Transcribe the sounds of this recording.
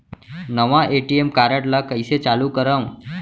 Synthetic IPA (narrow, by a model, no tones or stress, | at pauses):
nəʋaʔeʈiemkaɾaʈlakəjset͡ɕalukəɾəw